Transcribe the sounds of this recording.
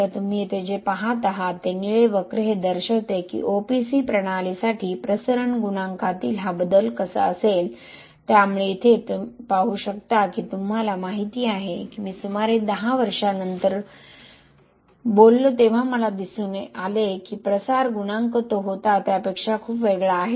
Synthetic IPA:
at̪um̤iːet̪ʰed͡ʑepaɦat̪aɦat̪ːeniɭeʋəkɾəɦed̪əɾɕət̪ekḭʔopisiːpɾəɽ̃alisaʈʰiːpɾəsəɾəɳɡuñaŋkat̪ḭːlɦabəd̪əlkəsə̰əsel | t̪jamuɭeit̪ʰet̪upaɦuɕəkt̪akiːt̪umɦalamaɦit̪iːaɦekimʋiːsumaɾed̪əɦaʋəɾʂanənt̪əɾ | bolːot̪eʋ̤aməlad̪isuːneʔalekiːpɾəsaɾɡunaŋkət̪oɦot̪at̪japekʂakʰuːpʋeɡɭaːɦe

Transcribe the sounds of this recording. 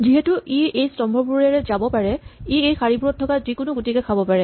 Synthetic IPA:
ziɦɛtuʔiejstɔmbʱɔɹbuɹɛɹɛzabɔpaɹɛiejxaɹibuɹɔtʰːɔkazikʊnʊɡutikɛkʰabɔpaɹɛ

